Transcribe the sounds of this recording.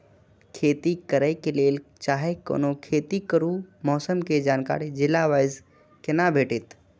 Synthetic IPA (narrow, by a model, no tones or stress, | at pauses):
kʰeːt̪ikəɾəkeleːlt͡ʃaːɦeko̰ːnokʰeːt̪ikəɾumɔːsəmked͡ʒaːnka̰ːɾid͡ʒɪlːaʋaːjz | kenabʱeːʈɪt̪